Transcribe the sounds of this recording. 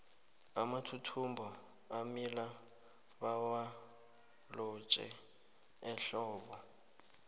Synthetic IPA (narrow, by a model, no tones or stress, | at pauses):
amatʰutʰumbʱɔ | amila | βawa | lɔt͡ʃʼɛ̰ | ɛɬɔːβɔ